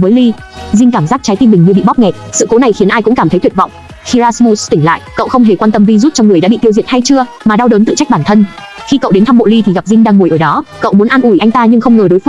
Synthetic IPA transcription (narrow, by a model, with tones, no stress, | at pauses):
vəː˨˦jli˧ | zï˧ŋ̟kaː˧˩mzaː˦˥k̚t͡ɕa˨˦jt̪i˧nmi˨˩ŋ̟ɲɨ˧ɓḭ˧˨ɓɔ˦˥p̚ŋɛ˨˩t̚sɨ̰˧˨ko˨˦na˨˩jxi˨˦ənʔaː˧jkʊ̰˧˥ŋ͡mkaː˧˩mt̪ə˨˦jt̪ʰi˨˩vɔ̰˧˨wŋ͡m | xi˧zaː˧smu˧st̪ï˧˩ŋ̟la̰ː˧˨jkə̰˧˨wxə˧wŋ͡mɦe˧˨˩kwaː˧nt̪ə˧mvi˧zu˦˥t̚t͡ɕɔ˧wŋɨ˨˩əjɗa̰ː˧˥ɓḭ˧˨t̪i˧əwzḭ˧˨ənha˧jt͡ɕɨ˧ə | maː˨˩ɗa˧wɗoː˨˦nt̪ɨ̰˧˨t͡ɕa˦˥k̚ɓaː˧˩nt̪ʰə˧n | xi˧kə̰˧˨wɗe˨˦nt̪ʰa˧mɓo̰˧˨li˧t̪ʰi˨˩ɣa˨˩p̚zï˧ŋ̟ɗaː˧ŋːu˨˩jʔəː˧˩ɗɔ˨˦kə̰˧˨wmu˨˦ənʔa˧nʔu˧˩jʔa˧jŋ̟t̪aː˧ɲɨ˧ŋxə˧wŋ͡mŋəː˨˩jɗo˨˦jf